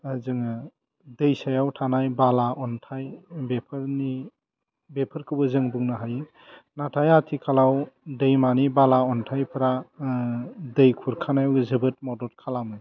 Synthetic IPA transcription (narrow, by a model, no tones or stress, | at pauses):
azɯŋɯ | dəjsajawtʰanajbalaʔɔntʰajbepʰɾni | bepʰɯɾkʰɯwbɯzɯŋbuŋnaɦajɯ | natʰajatʰikʰalawdəjmanibalaɔntʰajpʰɾa | dəjkʰuɾkʰanajawzɯbɯt̚mɔdɔt̚kʰalamɯj